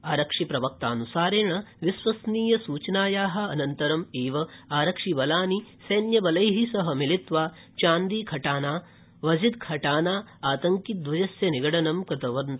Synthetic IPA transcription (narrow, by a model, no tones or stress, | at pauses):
aːɾɐkʂipɾɐʋɐk̚t̪aːnusaːɾeːɳɐʋisʋɐsniːjɐsuːt͡ʃnaːjaːɦɐ̆ɐnɐnt̪ɐɾɐmeːʋɐaːɾɐkʂibɐlaːnisɐːnjɐbɐlɐjɦisɐɦɐmilit̪ʋaː | t͡ʃaːnd̪iːkʰɐʈaːnaː | ʋɐd͡ʒid̪kʰɐʈaːnaːaːt̪ɐŋkit̪̚d̪ʋɐd͡ʒɐsjɐniɡɐɽɐnɐmkɾɐt̪ɐʋɐnt̪